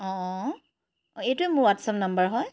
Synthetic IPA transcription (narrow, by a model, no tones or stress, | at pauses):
ɔ̃ | ejtʊɛmʊɹwatsɔmnambəɹɦɔj